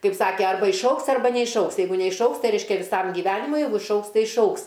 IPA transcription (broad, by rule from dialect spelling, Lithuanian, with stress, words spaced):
ˈkɐɪp ˈsɑːkʲɛ ˈɐrbɐ ɪʃˈɐʊks ˈɐrbɐ nʲɛɪʃˈɐʊks jɛɪˈɡʊ nʲɛɪʃˈɐʊks ˈtɐɪ ˈrʲɛɪʃʲkʲɛ ʋʲɪˈsɐm ɡʲiːˈʋʲæːnʲɪmʊɪ ˈjɛɪɡʊ ɪʃˈɐʊks ˈtɐɪ ɪʃˈɐʊks